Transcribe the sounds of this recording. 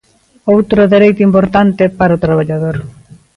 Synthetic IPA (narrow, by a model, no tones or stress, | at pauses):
owt̪ɾoðeɾejt̪oimpoɾt̪ant̪epaɾaot̪ɾaβaʎaðoɾ